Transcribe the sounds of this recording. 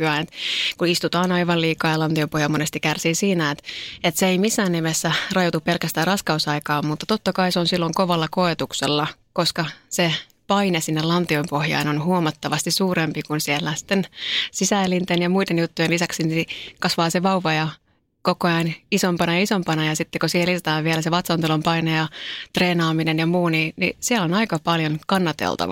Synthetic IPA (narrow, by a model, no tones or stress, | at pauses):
pyɑinet̪kuist̪ut̪ɑːnɑiʋɑliːkɑːjɑlɑnt̪iompohjɑlmonest̪ikærsiːsiːnæet̪et̪seeimisːæːnːimesːærɑjot̪upelkæst̪æːrɑskɑusɑikɑːmmut̪ːɑt̪ot̪ːɑkɑiseonsilːoŋkoʋɑlːɑkoet̪ukselːɑ | koskɑse | pɑinesinːellɑnt̪iompohjɑ̰inonhuomɑt̪ːɑʋɑst̪issuːrempikunsielːæsi̥t̪ːensisæːlːint̪enjɑmuidenjut̪ːujenlisɑksinikɑsʋɑːseʋɑuʋɑjɑ | kokoɑinisompɑnɑjɑisompɑnɑjɑsit̪ːekosiːhelisot̪ɑːʋʋielæseʋɑt̪sɑnt̪ulompɑinejɑt̪reːnɑːminenjɑmuːninisiɛlonɑikɑpɑljonkɑnːɑt̪ḛlt̪ɑ̰ʋɑ̰